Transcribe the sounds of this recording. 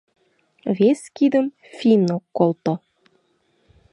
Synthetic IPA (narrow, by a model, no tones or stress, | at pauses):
βeskid̪əm | fʲinokːolt̪o